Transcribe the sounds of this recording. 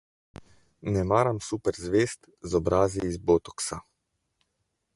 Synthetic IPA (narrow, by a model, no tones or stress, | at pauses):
nɛmaːɾamsupɛɾzʋeːst̪ | zɔbɾʔaːziːzboːt̪ɔksa